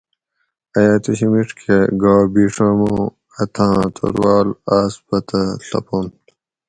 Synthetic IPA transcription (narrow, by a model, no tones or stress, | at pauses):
ɐjaːt̪uɕimiʂkʰeɡaːbiːʂamo | ɐt̪ʰãːt̪ʰɐ̰ɾwaːlaːsbɐt̪ɐɬɐ̰pon